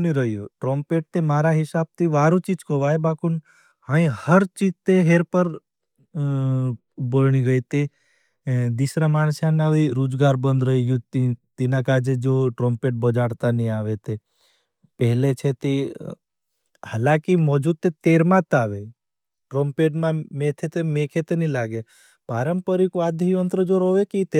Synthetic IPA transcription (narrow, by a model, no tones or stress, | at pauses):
niɾəɦijoʈɾɔ̃ːmpeːʈ̚t̪emaːɾaɦɪsaːb̚t̪ʰiʋaːɾũt͡ʃiːd͡ʒkoʋaebaːkun | haĩhəɾt͡ʃid͡ʒt̪eɦeːɾpəɾ | bəlɳ̃ĩɡəit̪e | d̪isɾamaːnsjãnaʋiɾoːd͡ʒɡaːɾbə̃nd̪ɾəɦiɡjũt̪it̪inãkaːd͡ʒed͡ʒoʈɾɔmpeʈ̚bəd͡ʒaɽt̪aniaʋet̪e | pəɦlet͡ʃʰet̪e | halakimɔd͡ʒud̪̚t̪ːet̪eɾmãt̪aʋe | ʈɾɔmpeʈmãmet̪ʰet̪emekʰet̪enilaɡe | paɾəmpəɾikad̪ʱijənt̪ɾəd͡ʒoɾoʋekit̪e